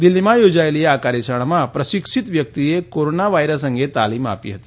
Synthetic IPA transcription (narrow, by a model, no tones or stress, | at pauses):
d̪ilːimajod͡zajlijeakaɾjeɕəɳ̃mapɾəɕikʂit̪ʋjək̚t̪ijekoɾonaʋajɾəsə̃ŋɡʱet̪aliːma̰pḭːɦət̪i̥